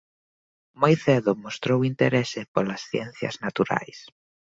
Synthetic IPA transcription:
mojθeðʊmost̪ɾowint̪eɾesɪpolɐsθjɛnθjɐ̰znat̪uɾa̰js

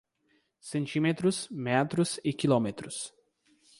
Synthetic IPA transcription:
sẽnt͡ʃĩmet̪ɾʊsmɛt̪ɾʊsɪkilomet̪ɾʊs

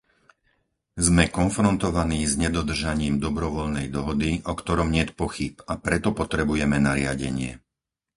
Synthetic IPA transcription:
zmɛkɔnfɾɔnt̪ɔʋaniːzɲɛd̪ɔd̪r̩ʒaɲiːmd̪ɔbɾɔʋɔʎnɛjd̪ɔɦɔd̪iʔɔkt̪ɔɾɔmɲɪɛt̪pɔxipapɾɛt̪ɔpɔt̪ɾɛbujɛmɛnaɾɪaɟɛɲɪɛ

